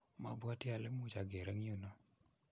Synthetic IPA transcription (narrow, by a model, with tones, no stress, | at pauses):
ma˨bwa˦tja˨lɛ˦mu˦t͡ʃa˨ɡe˨ɾa˦ŋi˦u˦nɔ˦